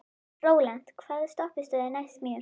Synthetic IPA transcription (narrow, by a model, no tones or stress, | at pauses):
rowlant̪kʰv̥aːðst̪ɔpɪst̪ɔðɛnajst̪miː